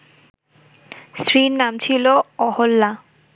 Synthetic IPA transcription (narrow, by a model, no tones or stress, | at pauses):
sɹinːamt͡ɕʰiloɔholːa